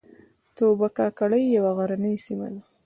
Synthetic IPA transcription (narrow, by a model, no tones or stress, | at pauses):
t̪obakɑkaɽəjːawaɣaɾanəjsima̰d̪a